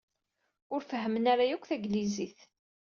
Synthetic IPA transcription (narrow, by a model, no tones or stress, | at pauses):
ʊɾfəɦːəmənæɾajækʷːθæɡliziθ